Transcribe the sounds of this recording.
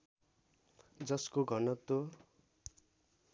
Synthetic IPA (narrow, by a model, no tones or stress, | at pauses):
d͡zʌskoɡʱʌnʌt̪o